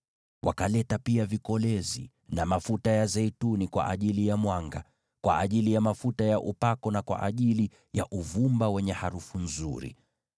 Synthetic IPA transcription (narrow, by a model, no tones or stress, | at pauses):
wa̰kalɛtapiavikɔlɛzi | namafutajazɛitunikwa̰ʔa̰ʄilijamwaŋɡa | kwʔa̰ʔːʄilijamafutajaʔupakɔnakwa̰ʔaʄili | jaʔuvumbawɛɲɛhaɾufunzuɾḭ